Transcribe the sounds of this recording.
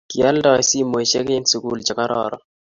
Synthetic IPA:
kja˦ldɔ˦ɛ˨si˦mo˨ʃe˦kɪ˦nsu˨ku˦ld͡ʒa˨ka˦ɾɔ̰ɾɔ̰˨

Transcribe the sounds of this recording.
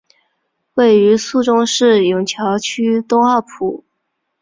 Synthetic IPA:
we˥˩ɪy˧˥su˥˩ʈ͡ʂʊ˥ŋʂɻ̩˥˩jʊ˨˩ŋt͡ɕʰjɑ˧˥ʊt͡ɕʰy˥t̪ʊ˥ŋɑ˥˩pʰu˨˩˦

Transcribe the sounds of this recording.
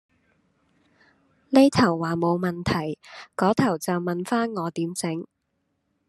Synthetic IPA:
le˥jt̪ʰɐ˨˩wːaː˨mo˨˧wmɐ˨˩nt̪ʰɐ˨˩jkɔː˨˥t̪ʰɐ˨˩wt͡sɐ˨wmɐ˨nfaː˥nŋɔː˨˧t̪iː˨˥mt͡sɪ˨˥ŋ

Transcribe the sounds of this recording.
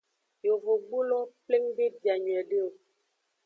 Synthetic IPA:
jo˨vo˨ɡ͡bu˦lɔ˦ple˦ŋbi˦bja˨ɲ˨ɛ˨də˦˨

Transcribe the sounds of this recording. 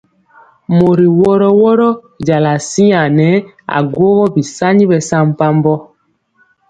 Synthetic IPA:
mo˨ɾi˨wɔ˦ɾɔ˦wɔ˦ɾɔ˦ | d͡ʒa˨la˨si˦a˨nɛ˨˦ | a̰˨ɡwo˦ɣɔ˦bi˨sa˦ɲi˦bɛ˨sa˦m˦pa˦mbɔ˦

